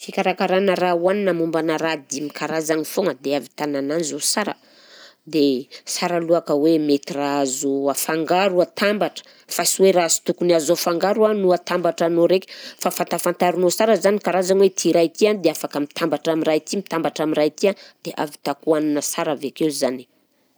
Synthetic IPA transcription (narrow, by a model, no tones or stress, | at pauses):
fikʲaɾakaɾanəɾauwaninamumbanaɾad̪imikaɾazanifoŋəd̪eavit̪anananizosaɾə̰ | d̪esaɾaluakəwemet̪iraazuafaŋɡaɾuat̪ambaʈ͡ʂə̥ | fasweɾazi̥t̪ukuniazoafaŋɡaɾuanuat̪ambaʈ͡ʂanoɾeki̥fafant̪afant̪aɾunosaɾəzanikaɾazanwet̪ʰiɾajt̪ianid̪eafakəmit̪ambaʈ͡ʂamirajt̪imit̪ambaʈ͡ʂamiɾajt̪iand̪̥eʔa̰vi̥t̪akuaninəsaɾavakeuzani̥